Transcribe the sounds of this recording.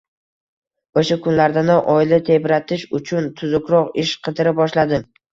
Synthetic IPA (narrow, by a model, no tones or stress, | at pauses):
oʃakʰʊnlaɾd̪anɪʔɒjlat̪ʰe̞bɾat̪ʰɪʃʊt͡ʃʰʊnt̪ʰʊzʊkʲɾɒqɪʃqʰɨd̪ɪɾɪbɒʃlad̪ɪm